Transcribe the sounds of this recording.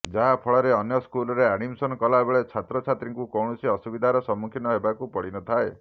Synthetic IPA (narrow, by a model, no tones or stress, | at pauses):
d͡ʒaɦapʰɔɭɔɾeɔnjɔskulɔɾeaɽ̃imsɔnkɔlaebeɭet͡ʃʰat̪ɾɔt͡ʃʰat̪ɾiŋkukɔwɳɔsiɔsubid̪ʱaɾɔsɔmːukʰinɔɦebakupɔɽinɔt̪ʰae